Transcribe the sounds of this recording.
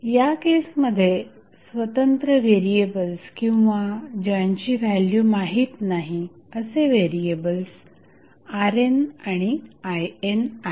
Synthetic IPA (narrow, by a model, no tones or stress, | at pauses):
jakesməd̪ʱːje | sʋət̪ənt̪ɾəʋeɾiebəlskĩw̃ʋad͡ʑəɲt͡ɕiːʋæljuːmaɦiːt̪naɦi | əseʋeɾiebəls | aɾenaɽ̃iajena